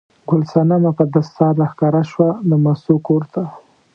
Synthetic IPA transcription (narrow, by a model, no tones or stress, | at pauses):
ɡʊlsanamapəd̪ast̪ɑɾlaxkɑɾaʃwanomasukoɾt̪a